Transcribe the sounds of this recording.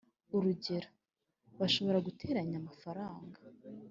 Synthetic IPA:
uɾuɟe̞ɾo | βaʃo̞βo̞ɾaɡutʰe̞ːɾaɲamafaɾaːŋɡḁ

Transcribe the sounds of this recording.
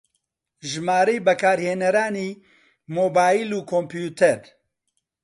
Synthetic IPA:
ʒmaːɾejbɛkʰaːɾheːnɐɾaːniː | moːbaːjiluːkʰompjuːt̪ʰɛɾ

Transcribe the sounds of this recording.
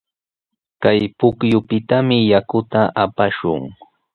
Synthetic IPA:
kajpʊkjʊpɪt̪amɪjakʊt̪aʔapaʃʊ̰ŋ

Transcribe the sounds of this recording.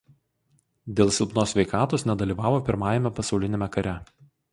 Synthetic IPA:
d̪ʲeːlˠsʲɪlˠpnoːsʲʋʲɛɪkɑːt̪oːsnʲɛd̪ɐlʲiːʋɑːʋoːpʲɪɾmɑːjɛmʲɛpɐsɒʊlʲɪnʲeːmʲɛkɐɾʲɛ

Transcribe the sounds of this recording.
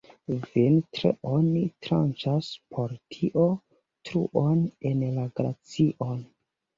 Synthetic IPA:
vintɾḛonitɾant͡ʃaspʰo̞ɾtʰiʔo | tɾṵʔonenlaɡɾat͡siʔon

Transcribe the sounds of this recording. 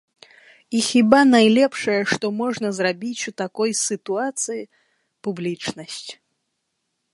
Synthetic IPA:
ixʲibanajlʲɛpʂɐjɐʂt̪ɔmɔʐnɐzrabʲit͡sʲut̪akɔjsɨt̪uat̪sɨji | publʲit͡ʂnɐsʲt͡sʲ

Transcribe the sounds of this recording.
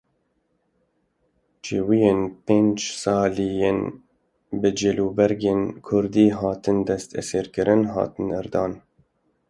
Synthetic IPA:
t͡ʃeːwijeːnpeːnd͡ʒsɑːlijen | bɨd͡ʒeluːbɛɾɡeːnkʰʊɾd̪iːɦɑːt̪ɨnd̪ɛst̪ʰɛ̰seːɾkɨɾɨnɦɑ̰ːt̪ɨnɛɾd̪ɑːn

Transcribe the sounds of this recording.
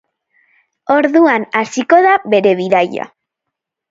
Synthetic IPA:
o̞ɾðuanasiko̞ðaβe̞ɾe̞βiðaja̰

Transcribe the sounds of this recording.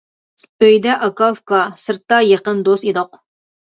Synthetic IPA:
øjd̪ɛʔɑkɑfkɑsɨɾt̪ːɑjeqənd̪osid̪oq

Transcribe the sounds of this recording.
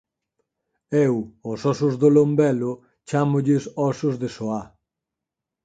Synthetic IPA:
ewosɔsʊzðolombɛlʊ | t͡ʃamʊʎɪsɔsʊzðesoa

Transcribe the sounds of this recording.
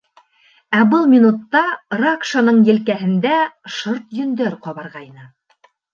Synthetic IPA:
æbɤlˠmʲinut̪ːɑrakʃanɤɴjɘ̆lkæɦɘ̆nd̪æʃoɾt̪jɵ̆nd̪æɾqɒβɑɾʁɑjnɤ

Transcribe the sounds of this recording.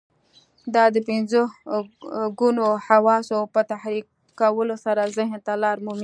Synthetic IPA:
d̪ɑd̪əpɪnzo | ɡunohawɑsopət̪ahɾi | kawəlosaɾazɪɦnt̪alɑɾmomi

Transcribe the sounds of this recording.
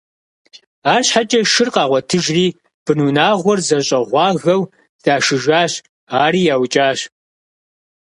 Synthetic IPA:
aːɕħat͡ʃʼɐʃɨrqɑːʁʷɔtʰɨʒriː | b̥ɨnuːnaːʁʷɔrzɐɕʼɐʁʷɑːɣɐw | z̥aːʃɨʒaːɕ | aːɾiːjaːwt͡ʃʼaːɕ

